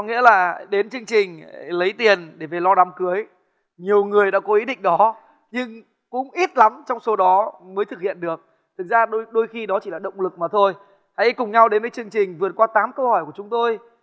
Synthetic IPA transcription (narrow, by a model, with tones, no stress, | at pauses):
ɔ˨˦ŋḭ˧˥əlaː˨˩ɗe˨˦nt͡ɕɨ˧əŋt͡ɕï˨˩ŋ̟lə˨˦jt̪i˨˩ənɗe˧˩ve˨˩lɔ˧ɗa˨˦mkɨ˨˦əj | ɲi˨˩əwŋɨ˨˩əjɗa̰ː˧˥kɔ˨˦ʔi˨˦ɗḭ˧˨ŋ̟ɗɔ˨˦ | ɲɨ˧ŋ | kʊ̰˧˥ŋ͡mʔi˦˥t̚la˨˦mt͡ɕɔ˧wŋ͡mso˨˦ɗɔ˨˦məː˨˦jt̪ʰɨ˨˩k̚hḭ˧˨ənɗɨ˨˩ək̚ | t̪ʰɨ˨˩k̚zaː˧ɗo˧jɗo˧jxi˧ɗɔ˨˦t͡ɕi˧˩laː˨˩ɗə̰˧˨wŋ͡mlɨ˨˩k̚maː˨˩t̪ʰo˧j | ha̰˧˥jkʊ˨˩ŋ͡mɲa˧wɗe˨˦nvəː˨˦jt͡ɕɨ˧əŋt͡ɕï˨˩ŋ̟vɨ˨˩ət̚kwaː˧t̪aː˨˦mkə˧whɔ˧˩jku˧˩ət͡ɕʊ˨˦ŋ͡mt̪o˧j